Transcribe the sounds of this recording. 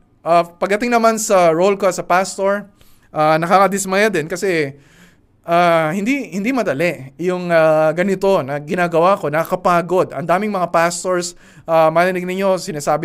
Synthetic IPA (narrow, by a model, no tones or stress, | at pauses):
ʔapɐɡ̚d̪ɐt̪ɪŋnɐmansɐɹolkosɐpast̪oɹ | ʔanɐkakɐd̪ɪsmajad̪ɪnkɐsɛ | ʔahɪnd̪ihɪnd̪imɐd̪ɐlɛʔjʊŋaɡɐnɪt̪o̞nɐɡɪnaːɡɐwako̞nɐkɐkɐpaːɡo̞d̪ɐ̰nd̪aːmɪŋmɐŋapast̪oɹs | ʔamaːlɪnɪɡ̚nɪɲo̞sɪnaːsaːbɪ